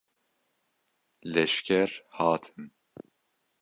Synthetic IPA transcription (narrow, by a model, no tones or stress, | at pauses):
lɛʃkʰɛɾhɑːt̪ʰɨ̥n